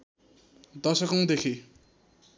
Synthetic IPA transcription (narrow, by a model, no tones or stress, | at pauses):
d̪ʌsʌkʌŋd̪ekʰi